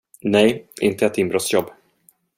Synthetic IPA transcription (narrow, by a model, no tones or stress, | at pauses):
nɛjʔɪnt̪əɛt̪ɪmbɾɔt̪sjɔbː